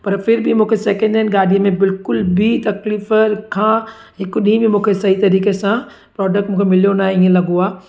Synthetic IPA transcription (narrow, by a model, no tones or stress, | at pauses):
pɐɾpʰɪɾbʱimũːkʰesɛːkə̃ɳɖɪnɡaːlijẽmẽbɪlkʊlbʱit̪ɐkliːfkʰãː | ɦɪkɗĩbʱimũːkʰesɐɦit̪ɐɾiːkesã | pɾɔːɖək̚ʈmũːkʰemɪlijonaːiẽlɐɡoaː